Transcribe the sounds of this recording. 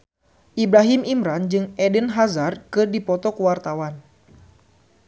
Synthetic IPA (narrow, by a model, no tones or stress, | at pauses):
ʔibɾaɦimʔimɾand͡ʒɨŋɛdənɦazarkɨrdipɔt̪ɔkəwart̪awan